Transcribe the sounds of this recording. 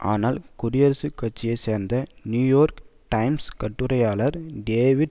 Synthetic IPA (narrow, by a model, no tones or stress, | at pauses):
ʔa̰ːnaːlkʊɾɪjɐɾɐsɯkːɐʈ̚t͡ʃːɪjɐɪseːɾnd̪ɐnjuːjoːɾkʈɐɪmskɐʈːɯɾɐjaːlɐɾɖeːʋɪɖ